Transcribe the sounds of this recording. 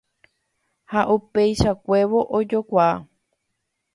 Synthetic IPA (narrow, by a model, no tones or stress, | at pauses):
haʔupejʃakʷe̞ʋo̞ʔod͡ʒokʷaa